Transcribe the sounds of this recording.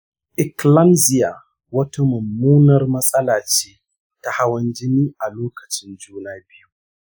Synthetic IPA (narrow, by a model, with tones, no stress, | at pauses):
ʔɪ˨klɐ˦mzɪ˨ja˨ | wɐ˦ta˦mɐ˨mːuː˦nɐ˨rmɐ˦sʼɐ˦laː˨t͡ʃeː˦ | ta˦ha˦wɐ˦nd͡ʒɪ˦niː˦ʔa˨loː˦kɐ˨t͡ʃɪ˦nd͡ʒuː˦naː˦bɪ˦ju˦